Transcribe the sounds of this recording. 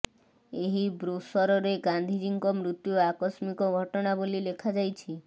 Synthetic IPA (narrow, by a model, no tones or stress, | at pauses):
eɦibɾosɔɾɔɾeɡand̪ʱiɾiŋkɔmɾut̪juakɔsmikɔɡʱɔʈɔɽ̃abolilekʰad͡ʒajt͡ʃʰi